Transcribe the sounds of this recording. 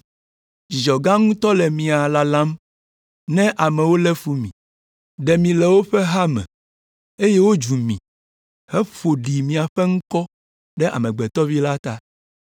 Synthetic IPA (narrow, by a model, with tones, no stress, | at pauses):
d͡ʒi˨d͡ʒɔ˨ɡã˦ŋũ˦t̪ɔ˦lɛ˨mĩ˨a˨la˨lã˦m | nɛ̃˦ʔa˨mɛ˨wo˦lɛ˦fu˦mĩ˨ | ɖɛ˨mĩ˨lɛ˨wo˦ɸɛ˦ɦa˦mɛ̰̃˨ | e˦jɛ˦wo˦d͡ʒu˨mḭ̃˨ | hɛ˦fo˨ɖi˨mĩ˨a˨ɸɛ˦ŋũ˦kɔ˦ | ɖɛ˦ʔa̰˨mɛ̃˨ɡ͡bɛ˨t̪ɔ˦vi˦la˦t̪a˦